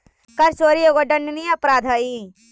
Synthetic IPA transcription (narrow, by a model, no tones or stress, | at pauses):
kɐɾt͡ʃoːɾijoɡoɖɐɳːniɐpɾaːd̪ʱɐi